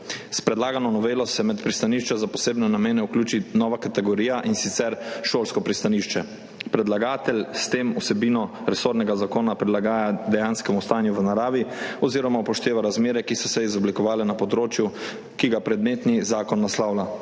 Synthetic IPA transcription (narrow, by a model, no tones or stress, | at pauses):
spɾɛd̪laːɡanɔnɔʋeːlɔsɛmɛt̪pɾist̪aniʃt͡ʃɛzapɔseːbnɛnameːnɛuklʲuːt͡ʃinɔːʋakat̪ɛɡɔɾiːjaʔinsit̪sɛɾʃoːlskɔpɾist̪aniʃt͡ʃɛ | pɾɛd̪laɡaːt̪ɛlʲst̪emusɛbiːnɔɾɛsoːɾnɛɡazakoːnapɾilaɡaːjad̪ɛjanskɛmust̪aːjnjuʋənaɾaːʋiɔziːɾɔmapɔʃt̪eːʋaɾazmeːɾɛkisɔsɛizɔblikɔʋaːlɛnapɔd̪ɾoːt͡ʃju | kiɡapɾɛd̪meːt̪nizaːkɔnːaslawla